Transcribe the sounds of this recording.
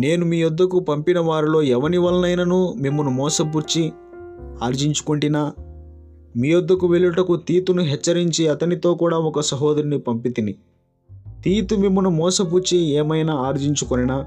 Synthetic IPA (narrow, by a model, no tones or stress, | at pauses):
ne̞ːnumiːjɔd̪ːɐkupɐmpinɐʋaːɾilo̞ːɛʋɐniʋɐlɐnɐjnɐnuːmimːunumɔːsɐpuɾt͡ʃi | aːɾd͡ʒiɲt͡ʃu̥kuɳʈinaː | miːjɔd̪ːɐkuʋeɭuʈɐkut̪iːt̪unuɦɛt͡ʃːɐɾiɲt͡ʃiɐt̪ɐnit̪o̞ːkuːɽaːɔkɐsɐɦɔːd̪ɐɾinipɐmpit̪ini | t̪iːt̪umimːɐnumɔːsɐpuɾt͡ʃiɛːmɐjnaaːɾd͡ʒiɲt͡ʃukoninaː